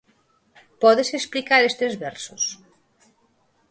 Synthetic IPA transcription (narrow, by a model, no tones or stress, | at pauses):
pɔðeseksplikaɾest̪ezβɛɾsos